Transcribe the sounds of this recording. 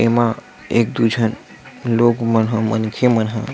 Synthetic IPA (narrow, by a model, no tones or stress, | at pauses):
emã | ek̚d̪ud͡ʒʱən | lokmənɦə̃mənkʰjemənɦə̃